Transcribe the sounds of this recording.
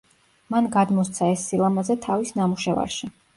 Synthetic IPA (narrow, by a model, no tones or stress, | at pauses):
manɡad̪mɔst̪sʰaɛsːilˠamazɛt̪ʰavisnamuʃɛva̰ɾʃi